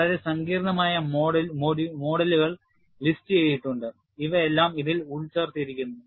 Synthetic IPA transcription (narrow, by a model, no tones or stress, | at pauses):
ɐɾesɐŋɡiːɾɐɳɐmaːjɐmoːɽɐlmoːɽimo̞ːɽɐluɣɐɭ | listɨeːjːiʈːuɳɖɨ | iʋɐelːaːmiðiluɭt͡ɕeːrt̪ijɐɾikʲːunːu